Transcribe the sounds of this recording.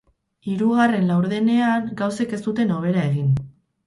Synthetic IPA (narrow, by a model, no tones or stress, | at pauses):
iɾuɣare̞nlawɾðene̞aŋɡawse̞ke̞st̪ut̪e̞no̞β̞e̞ɾae̞ɣin